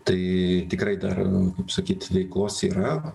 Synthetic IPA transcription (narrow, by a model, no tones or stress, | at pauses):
t̪ɐɪt̪ʲɪkɾɐɪd̪ɐ̰rkɐpsɐkʲiːt̪ʋʲɛɪklˠoːsiːɾɐ